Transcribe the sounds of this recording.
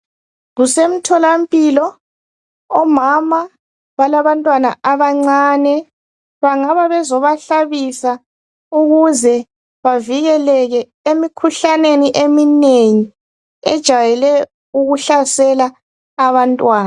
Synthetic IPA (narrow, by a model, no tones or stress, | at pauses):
ɣusem̩tʰɔlampʼiːlɔː | mama | βalaβantʼwana̰aβaŋ͡ǀaːnɛ | βaŋaβaβɛzɔβaɬaβisa | uɣuzɛ | βaviɣɛlɛɣɛ | emikʰuɬaneniʔemineŋi | ɛ̰d̥ʒ̥ʱajɛlɛ | uɣuɬasɛlaː | βantʼwaːna